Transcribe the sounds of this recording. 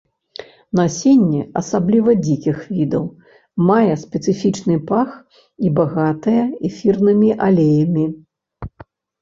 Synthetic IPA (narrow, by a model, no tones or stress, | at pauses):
nasʲenʲːɛɐsablʲivɐd͡zʲikʲixvʲid̪ɐw | majɛspʲɛt̪sɨfʲit͡ʂnɨpax | ibaɣat̪ɐjɐɛfʲirnɨmʲiʔalʲejɐmʲi